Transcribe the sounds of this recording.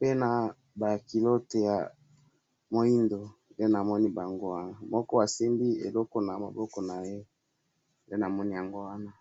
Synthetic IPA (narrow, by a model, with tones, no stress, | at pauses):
pe˦na˨ | ba˨ki˨lo˦te˨ja˨ | mo˨i˦ndo˨ | nde˦na˨mɔ˦ni˦ba˨ŋɡo˦wa˦na˨mɔ˦kɔ˦a˨si˦mbi˦ḛ˨lɔ˦ko˦na˨ma̰˨bɔ˦kɔ˦na˨je˦ | nde˦na˨mɔ˦ni˦ja˨ŋɡo˦wa˦na˦